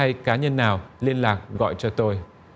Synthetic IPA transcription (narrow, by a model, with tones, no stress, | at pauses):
a˧jkaː˨˦ɲə˧nːaː˨˩wli˧ənlaː˨˩k̚ɣɔ̰˧˨jt͡ɕɔ˧t̪o˧j